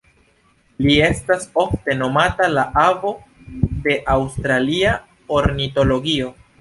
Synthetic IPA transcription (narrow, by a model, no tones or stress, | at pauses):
lie̞staso̞fte̞no̞matalaʔavo̞ | de̞ʔawstɾalia | oɾnito̞lo̞ɡio̞